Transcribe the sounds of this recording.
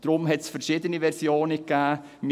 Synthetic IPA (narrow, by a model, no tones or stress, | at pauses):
d̥ɾʊmɦɛtsfɛɾʃiːdəniʋɛɾsjoːnəkːæː | m